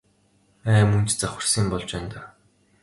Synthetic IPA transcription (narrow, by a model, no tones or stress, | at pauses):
æːmɵnt͡ɕt͡saxʲwə̆rsiːmpɔɮt͡ɕæːnt̪aː